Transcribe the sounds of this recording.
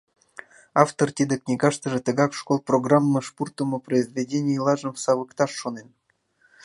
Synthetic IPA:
ɑft̪ort̪ʲid̪eknʲiɡɑʂt̪ə̆ʐĕt̪əɡɑkʂkolˠproɡrɑmːɤʂpurt̪ə̆mŏproizvʲedʲenʲijilˠɑʒə̆mfsɑβəkt̪ɑʃːonen

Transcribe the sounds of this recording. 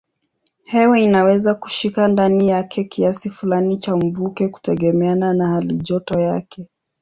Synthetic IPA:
hɛwɛinawɛzaku̥ʃikandanijakʰɛkiasifulanit͡ʃam̩vukɛku̥tɛɠɛmɛananahaliʄɔtɔjakʰɛ

